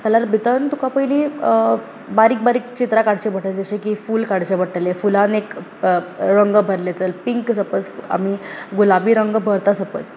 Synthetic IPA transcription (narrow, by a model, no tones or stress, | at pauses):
kʰalaɾbʱit̪ənt̪ukapəili | baɾiːk̚baɾiːk̚t͡ɕit̪ɾakaɽ̤t͡ɕebʱəʈəld͡zəɕẽkifuːlkaɽt͡ɕebəʈʰəlefulanek | ɾəŋɡəbʱəɾlet͡səlpiŋksəpət͡sa̰miɡulabiːɾəŋɡəbʱəɾt̪asəpət͡s